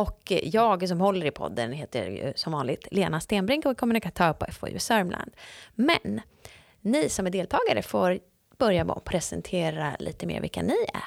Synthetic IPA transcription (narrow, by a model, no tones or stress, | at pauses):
ɔkjɑːɡs̬ɔmhɔlːəɾɪpʰɔ̰d̪ːənɦeːt̪əjɵ̰sɔmvɑːnlɪɡ̚t̪leːnast̪eːnbɾɪŋkɔkʰɔmːɵnɪkat̪ʰœːɾpɔʔɛfɔ̰j̰sœɾmlʔa̰nd̪mɛ̰nː | ɪsɔmæɖeːlt̪ʰɑːɡaɾə̰foːɾ | b̥œɾjabɔ̰pʰɾɛsɛnt̪ʰeːɾa̰lʔḭːt̪əmḛːɾvɪ̰lkːanɪæ̰